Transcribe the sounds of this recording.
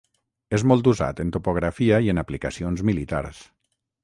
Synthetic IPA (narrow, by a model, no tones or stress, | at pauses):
ezmɔlˠt̪uza̰t̪ənt̪upoɣ̞ɾafiaiənaplikəsionzmilit̪a̰ɾs